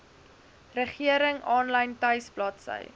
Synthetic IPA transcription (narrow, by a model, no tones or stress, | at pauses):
rəχiəɾəŋɑːnlɐjntɐjsplɑtsə̰j